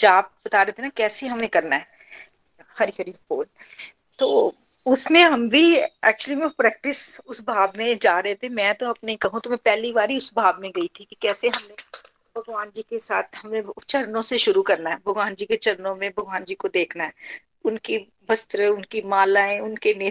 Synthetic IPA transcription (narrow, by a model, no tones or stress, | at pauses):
d͡ʒaːb̚bɐt̪aːɾet̪ʰenakɛːseɦɐmẽkɐɾnaɦɛː | hɐɾiɦɐɾifoːl | t̪oː | ʊsmẽɦɐmbʱiɛ̰ːk̚t͡ʃuəlimẽpɾɛːk̚ʈɪsʊsbʱaːbmẽd͡ʒaːɾɐɦet̪ʰemɛ̃ːt̪oɐpneikɐɦũt̪omɛ̃pɛːlibaːɾiʊsbʱaːbmẽɡɐit̪ʰikikɛːseɦɐmne | bʱɐɡʋaːnd͡ʒiːkesaːt̪ʰɦɐmẽt͡ʃɐɾnõseʃʊɾukɐɾnaɦɛbʱɐɡʋaːnd͡ʒiːket͡ʃɐɾnõmẽbʱɐɡʋaːnd͡ʒiːkod̪eːkʰnaɦɛː | ʊnki | bɐst̪ɾəʊnkimaːlaːẽʊnkeneː